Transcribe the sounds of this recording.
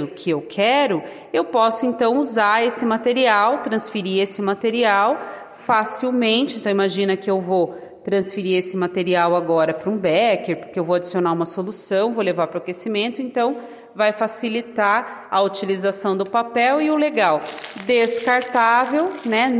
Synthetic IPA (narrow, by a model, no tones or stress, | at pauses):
ʊkʰɪewkʰɛɾʊ | ewpɔsʊẽnt̪ɐ̃w̃uzaesɪmat̪eɾiawt̪ɾɐ̃sfeɾiesɪmat̪eɾiaw | fasiwmẽnt͡ʃɪ̃t̪ɐ̃w̃imaʒĩnɐkɪewvo | t̪ɾɐ̃sfeɾiesɪmat̪eɾiawaɡɔɾɐpɾɐũbɛkeɾpʊɾkeewvowad͡ʒisionaũmɐsolusɐ̃w̃vowlevapɾɐʊkesimẽnt̪ʊẽnt̪ɐ̃w̃ | vajfasilit̪a | ɐut͡ʃilizasɐ̃w̃d̪ʊpapɛwɪʊleɡawd̪eskaɾt̪avewnɛ